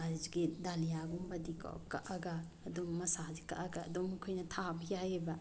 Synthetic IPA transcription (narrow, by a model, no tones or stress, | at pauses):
aziɡidalijaɡumbɐdikɔ̰ka̰ʔaɡaː | domːɐsazika̰ʔaɡaːdomkʰojnɐtʰabijajebɐ